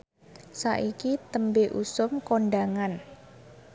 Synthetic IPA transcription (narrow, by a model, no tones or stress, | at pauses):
sa̰ʔikit̪əmbeʔusʊmkoɳɖaŋan